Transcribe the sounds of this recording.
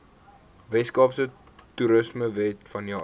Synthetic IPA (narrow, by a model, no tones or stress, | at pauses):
vɛskɑːpsə | tuɾəsməvɛtfɐnjɑː